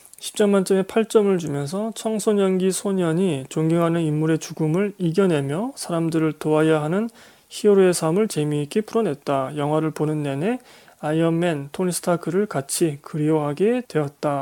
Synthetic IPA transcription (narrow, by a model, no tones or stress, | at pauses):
ɕʰi̥p̚t͡ɕ͈ʌmːant͡ɕ͈ʌne̞pʰaɭt͡ɕ͈ʌmɯɭt͡ɕumjʌnsʰʌt͡ɕʰʌŋsʰoɲʌnɡisʰoɲʌɲit͡ɕoŋɡiŋɦanɯnimːuɾe̞t͡ɕuɡumɯɭiɡjʌne̞mjʌsʰaɾamdɯɾɯɭtoajaɦanɯn | çioɾue̞sʰamɯɭt͡ɕe̞miek͈ʰepʰuɾʌne̞t̚t͈ajʌŋɦwaɾɯɭponɯnːe̞ne̞ | ajʌmːe̞ntʰonisʰɯ̥tʰakʰɯɾɯɭkat͡ɕʰikɯɾioɦaɡe̞twe̞ʌt̚t͈a